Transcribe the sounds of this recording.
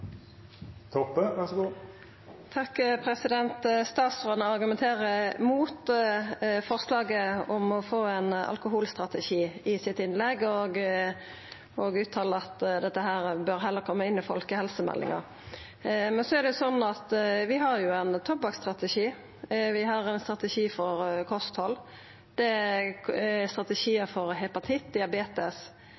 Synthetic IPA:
t̪ʰɔpːəʋæsɡuː | t̪ʰɑkːpʰɾɛsɪd̪ɛnt̪st̪ɑːt̪sʁɔːnəɑɾɡʉmɛnt̪ʰeːɾəmuːt̪ | fɔɾslɑːɡəɔmɔfoːænɑ̰lkʊɦuːlst̪ɾɑt̪ɛʃiːɪsɪt̪ɪnlɛɡɔɡ | oɡʉːt̪ʰːɑːləɑt̪d̪ɛt̪ːəɦæːɾbœɾɦɛlːəɾkʰɔmːəɪnːɪfɔlkəhɛlsəmɛ̰lːɪ̰ŋɑ̰ɾ | mɛnsɔæɾd̪ɛjʊsɔnːɑt̪ʋɪɦɑɾjʊænt̪ʰɔbɑkst̪ɾɑt̪ɛʃiː | ʋɪɦɑɾɛnst̪ʁɑt̪ɛʃiːfɔɾkʰɔst̪hɔlː | d̪̥ɛ | ɛst̪ʁɑt̪ɛʃiːəfɔɾɦɛpɑt̪ʰɪt̪̚d̪ɪɑbeːt̪əs

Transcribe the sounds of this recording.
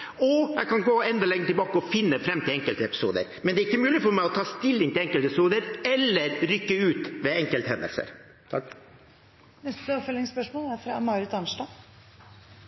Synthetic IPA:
ɔjæɪkɑnɡoːɛnd̪ɔlɛŋːət̪ɪlbɑːkəɔfɪnːəfɾɛmːt̪ʰɪlɛŋkəlt̪əɛpɪ̥sṵːd̪ə̰ɾmɛnd̪ɛːɾɪkːəmʉːlɪfɔɾmæɪɔt̪ʰɑːst̪ɪlːɪŋt̪ɪlɛŋkəlɪsuːd̪əɾɛlːəɾɾʏkːəʉːt̪ʋɛɛŋkəlt̪hɛnd̪ə̰lsə̰ɾ | t̪ʰɑ | nɛst̪əɔpfœlɪŋspœʂmoːlæɾfɾɑ̰mɑːɾɪt̪ɑnʂɖɑ

